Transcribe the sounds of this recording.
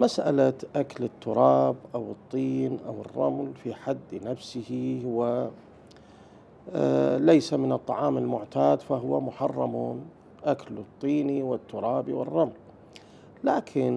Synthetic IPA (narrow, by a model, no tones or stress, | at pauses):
masʔa̰laʔaklɪt̪ːʊɾˤɑːbʔawɨt̪ˤːiːnʔawɪrˤːɑ̰mlfiħad̪ːnafsɪhihwa | lajsamɪnɨt̪ˤːɑʕɑːmɪlmʊʕt̪aːd̪faɦʊwamʊħɑrˤːɑmun | ʔaklɨt̪ˤːiːniwɪt̪ːʊɾˤɑːbiwɪ̰rˤːɑml | laːkʰɪn